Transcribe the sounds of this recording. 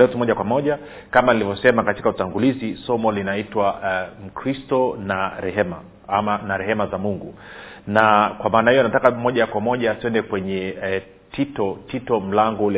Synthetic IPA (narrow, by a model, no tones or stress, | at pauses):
ɛtumɔʄakwamɔʄa | kamanilivɔsɛmakati̥kautaŋɡulizisɔmɔlinaitwam̩kɾistɔnaɾɛhɛma̰ | amanaɾɛhɛmazamuŋɡunakwamaːnahijɔnatakamɔʄakwamɔʄatuɛndɛkwɛɲɛ | tʰitɔtitɔm̩laŋɡɔulɛ